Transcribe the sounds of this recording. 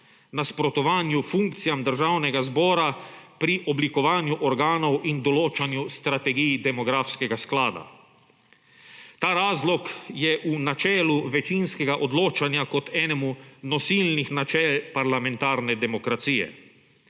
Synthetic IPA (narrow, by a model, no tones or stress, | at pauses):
naspɾɔt̪ɔʋaːnjufuŋk̚t̪sijamd̪əɾʒaːwnɛɡazbɔːɾapɾiʔɔblikɔʋaːnjuʔɔɾɡaːnɔwʔind̪ɔloːt͡ʃanjust̪ɾat̪ɛɡijd̪ɛmɔɡɾaːfskɛɡasklaːd̪a̰ | t̪aːɾaːzlɔkjɛʔunat͡ʃɛːluʋɛt͡ʃinskɛɡaʔɔd̪loːt͡ʃanjakɔt̪ɛːnɛmunɔsilnixnat͡ʃɛːlpaɾlamɛ̃nt̪aːɾnɛd̪ɛmɔkɾat̪sijɛ̰